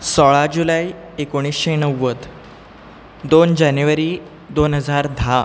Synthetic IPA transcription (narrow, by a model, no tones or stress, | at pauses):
sɔɭad͡ʑulai | ekoɽ̃iːsɕenəʋːət̪ | d̪ond͡ʑanjuʋəɾiː | d̪onɦəd͡zaɾd̪ʱa